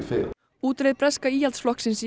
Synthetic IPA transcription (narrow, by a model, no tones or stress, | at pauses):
fɪ̰ːl | uːt̪ɾeðpɾɛskaiːjalt̪sflɔhksɪns